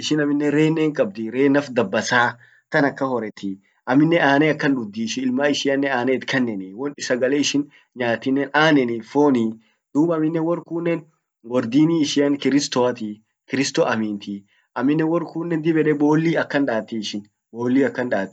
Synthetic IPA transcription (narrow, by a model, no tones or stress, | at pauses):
ʔɪʃɪnɐmɪnːɛɾe̞ːnːɛːŋkʼɐb̚d̪ɪɾeːnɐfd̪ɐbːɐsaː | kɐnɐkːɐhɔɾɛt̪ɪ | ʔɐmːɪnːɛʔaːnɛɐkːɐnᶑʊd̪ːiːʃɪɪlmaːɪʃɪɐnːɛaːnet̪kʰɛnːɛnɪwɔnɪsɐɡɐleɪʃɪn | ɲaːt̪ːɪnːɛnʔaːnɛnifo̞ːni | d̪̥uːbɐmɪnːɛwɔrkuːnːɛn | wɔɾd̪iːniːʃɪjɐnkɪɾɪst̪ɔɐt̪i | kɪɾɪst̪ɔʔɐmiːnt̪ɪ | ʔɐmːɪnːɛwɔrkuːnːɛnd̪ɪbɛᶑɛbo̞ːlːiːɐkːɐnᶑaːt̪ːiɪʃɪn | bo̞ːlːiːɐkːɐnᶑaːt̪ːɪ̥